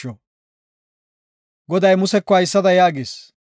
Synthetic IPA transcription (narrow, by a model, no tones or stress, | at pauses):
ɔ | ɡɔd̪ɐjmʊsɛkːɔɐjsːɐd̪ɐjaːɡeːs